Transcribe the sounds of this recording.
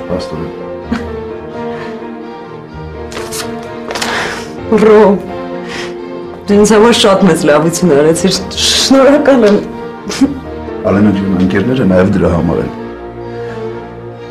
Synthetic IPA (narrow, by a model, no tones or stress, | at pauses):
pʰɑst̪ɔlɛ | rɔ | d̪əɾɛnt͡sʰhɑmɑɾʃɑt̪mɛt͡slɑvut͡sʰunɑɾɛt͡sʰiɾʃʃnɔɾɑkɑlɛm | ɑlɛnəŋkʰunəŋkɛɾnɛɾənɑjɛvd̪əɾɑɦɑmɑ̰ɾɛ̰n